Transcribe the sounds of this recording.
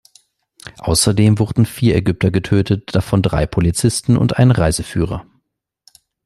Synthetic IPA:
ʔa̰ʊsɐdeːmvʊʁdn̩fiːɐɛɡʏp̚tʰɐɡətʰøːtʰət̚d̥afɔndʁa̰ɪpʰolit͡sɪstn̩ʊ̰ntʔaɪnənʁaɪzəfyːʁ̞ɐ

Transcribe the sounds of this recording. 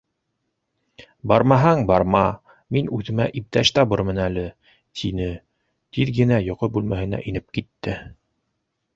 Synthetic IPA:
bɑɾmɑɦɑŋbɑɾmɑ | minʉðɘ̆mæʔip̚t̪æɕt̪ɑbɤɾmɤ̆nælɘ | t̪ʰinɘ | t̪iðɡɘ̆næjŏqobʉlmæhɘ̆næ̰ʔinɘp̚kit̪ːɘ

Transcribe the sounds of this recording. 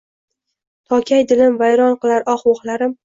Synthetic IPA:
t̪ʰɒkʲʰajd̪ɪlɪmvajɾɒnqɨlˠaɾʔɒχwoχlˠaɾɪm

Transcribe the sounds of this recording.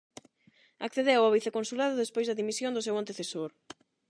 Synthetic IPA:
akθeðewaβiθekonsulaðʊðespojzðɐðimisjond̪ʊsewant̪eθesoɾ

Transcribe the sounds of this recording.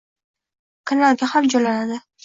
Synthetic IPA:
kʰanalˠɡʲahamd͡ʒɒlanad̪ɪ

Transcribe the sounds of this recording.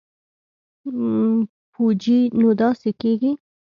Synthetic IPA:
pud͡ʒinod̪ɑsekeɡi

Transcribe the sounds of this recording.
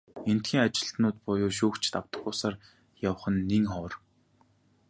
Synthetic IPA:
en̥t̪xiːŋat͡ɕɪ̆ɬt̪nʊːt̪̚pʊjʊːʃ̬uːkt͡ɕʰt̪aw̥t̪ə̥̆χʊːsaːr | jaw̆χə̆nːiŋχɔːr

